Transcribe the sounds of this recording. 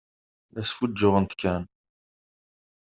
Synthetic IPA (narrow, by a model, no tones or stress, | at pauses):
ʔæsfudːʊʁənt̪kːæn